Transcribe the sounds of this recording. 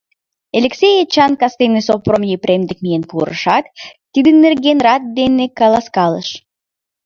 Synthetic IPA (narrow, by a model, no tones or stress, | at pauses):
elʲeksʲejet͡ɕɑnkɑst̪ejnɨsopromʲjepɾʲʔemd̪ək̚mijenpuɾə̰ʃɑt̪t̪ːid̪ənːerɡʲenrɑt̪̚d̪enekɑlˠɑskɑlˠə̰ʃ